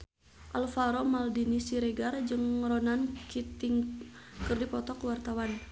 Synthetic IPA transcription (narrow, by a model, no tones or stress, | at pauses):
ʔalfaɾomaldinisiɾɛɡard͡ʒɨŋɾɔnankʰit̪iŋkɨrdipɔt̪ɔkwart̪awan